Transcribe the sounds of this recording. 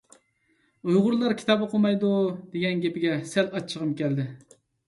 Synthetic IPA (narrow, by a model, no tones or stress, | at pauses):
ujʁʊɾlˠɑɾkʲʰi̥t̪ɑbɨqʰomɑjd̪ud̪̥eɡʲɛnɡʲepɪɡʲɛsɛlɑt͡ʃʰːəʁəmkʲɛld̪ɪ